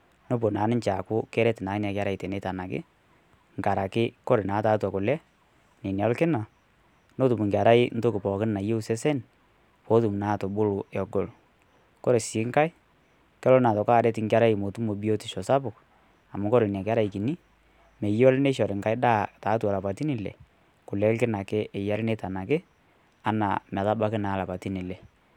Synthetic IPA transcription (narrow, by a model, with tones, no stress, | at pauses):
no˦po˨naː˨˦nɪ˦ɲt͡ʃa˨kʊ˦kɛ˦ɾɛ˦tɪ˨naː˨˦nja˨ka˦ɾa˨ɪ˨te˨ne˦ta˨na˨kɪ̰˦ | ŋka˨ɾa˨kɪ˦kɔ˦ɾɪ˨na˨˦ta˨˦twa˨kʊ˨lɛ˦ | ne˨n˨ɔ˦lkɪ˦na˨ | no˦tʊ˨mʊ˨ŋɡʲa˨ɾa˦ɪ˦n̩˦to˦kɪ˨pɔː˨kɪ˦nna˨je˦u˦sɛ˦sɛ˦n | po˦tu˨m˨naː˨˦˨to˨bʊ˦lʊ˨ɛ˨ɡo˨l | kɔ˦ɾe˨sɪ˨˦ŋka˦ɪ˦ | kɛ˦lɔ˦na˨tɔ˨kaː˦˨dɛ˦tɪ˨˦ŋka˦ɾa˦ɪ˨mo˨tu˦mo˨bi˦o˦ti˨ʃɔ˨sa˦pʊ˨k | a˨mʊ˦kɔ˦ɾɪ˨n˨a˨ka˦ɾa˦i˨ki˨ni˦ | me˨jɔ˦lne˦ʃɔ˨ɾɪ˨ŋka˦ɪ˦ɗaː˦˨taː˨˦tu˨a˨la˨pa˨ti˦ni˨lɛ̰˨ | kʊ˨lɛ˦lkɪ˦na˨kɪ˦ʔɛ˨ja˦ɾɪ˦ne˦ta˨na˨kɪ˦ | a˦na̰˨mɛ˨ta˦ba˦kɪ˦naː˨˦la˨pa˨ti˦ni˨lɛ˨